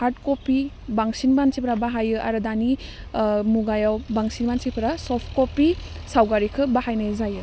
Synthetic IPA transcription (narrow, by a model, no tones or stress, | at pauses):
haɾt̚kopi | baŋsinbansipʰɾabaɦajɯʔaɾɯdani | muɡajawbaŋsinbansipʰɯɾasɔpʰkopi | sawɡaɾikʰɯbahajnazajɯ